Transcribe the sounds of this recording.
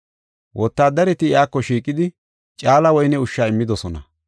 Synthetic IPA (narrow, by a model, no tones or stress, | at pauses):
wʔɔt̪ːaːd̪ɐɾɛt̪ɪɪaːkːɔʃiːkʼːɪd̪ɪ | t͡ʃʼaːlɐwɔjnɛʊʃːaːɪmːɪd̪ɔsɔnɐ̰